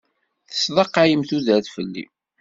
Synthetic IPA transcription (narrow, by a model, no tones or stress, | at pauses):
θə̥sðˤɑqːajəmθuðæθfəlːḭ